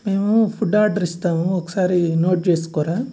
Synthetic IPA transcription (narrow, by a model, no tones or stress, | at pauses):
meːmupʰuɖaːɖɐɾist̪aːmuokːɐ̥saːɾinoːʈ̚d͡ʒeːskoɾa